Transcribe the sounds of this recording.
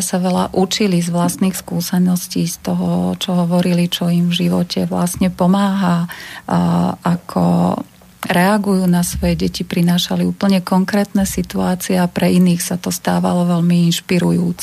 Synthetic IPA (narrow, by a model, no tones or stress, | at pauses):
saʋɛla̰ʔut͡ʃilizʋlast̪niːxskuːsɛnɔsciːst̪ɔɦɔ̰t͡ʃɔɦɔʋɔɾilit͡ʃɔimvʒiʋɔcʰɛʋla̰sɲɛpɔmaːɦa | akʰɔ̰ | ɾɛaɡujuːnasʋɔjɛɟɛcipɾinaːʃaliuːpl̩ɲɛkɔŋkɾɛːt̪nɛːsit̪uaːt͡siɛapɾɛiniːxsat̪ɔst̪aːʋa̰lɔʋɛlmiinʃpiɾujuːt͡sɛ